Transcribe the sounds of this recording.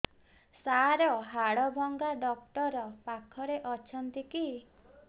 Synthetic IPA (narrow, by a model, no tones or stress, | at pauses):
saɾɔɦaɽɔbʱɔŋɡaɖɔk̚ʈɔɾɔpakʰɔɾeʔɔt͡ʃʰɔnt̪iki